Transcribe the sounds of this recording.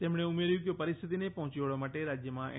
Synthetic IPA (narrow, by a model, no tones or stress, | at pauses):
t̪eːmɽ̃eʊmeɾjũkjopɐɾɪst̪ʰɪt̪inepɐ̃ɦʊ̃t͡ʃiʋaɭamaːʈeɾad͡ʒjəmãʔɛ̰